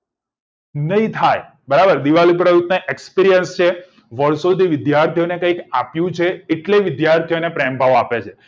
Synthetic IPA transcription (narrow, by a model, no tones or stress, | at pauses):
nəɦĩt̪ʰaj | bəɾabəɾd̪iʋalipɾəjut̪nəʔekspiɾijənst͡ʃʰe | ʋəɾsod̪ʱiʋɪd̪jaɾt̪ʰijonekə̃ikapjũt͡ʃʰeːʈleʋɪd̪jaɾt̪ʰijonepɾembʱaʋoapet͡ʃʰe